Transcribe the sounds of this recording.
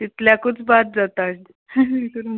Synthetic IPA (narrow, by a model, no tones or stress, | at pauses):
t̪it̪ljakut͡sbat̪̚d͡zat̪a | kəɾ